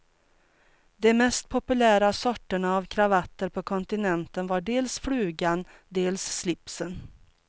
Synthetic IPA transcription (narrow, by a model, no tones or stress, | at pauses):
d̪ɛmɛst̪̚pʰɔpɵlæːɾasɔʈːəɳaːvkʰɾavat̪ːəɾpʰɔkʰɔnt̪ɪnɛnt̪ənvaɖeːlsfɽʉ̟ːɡan | d̪eːlsːlɪpsən